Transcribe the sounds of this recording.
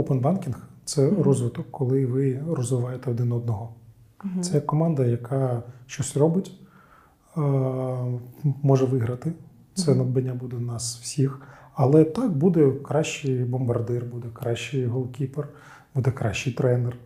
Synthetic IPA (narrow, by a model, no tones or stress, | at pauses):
openbɑnkʲinxt̪sɛɾɔzʋɪt̪ɔkːɔlˠɪʋɪɾɔzʋɪʋɑjet̪ɛɔd̪ɪnɔd̪̚nɔɦɔ | sɛkɔmɑnd̪ɐjɐkʰɑʃt͡ʃɔsʲrɔbɪtʲ | mɔʐɛʋɪɦɾɐt̪ɪ | t̪sɛnɐd̪bɐnʲːabud̪ɛnɑswsʲixɐlˠɛt̪ɑkbud̪ɛkɾɑʃt͡ʃːɪjbɔmbɐrd̪ɪrbud̪ɛkɾɑʃːɪjɦɔlˠkʲiper | b̥ud̪ɛkɾɑ̰ʃːɪjt̪ɾɛnɛr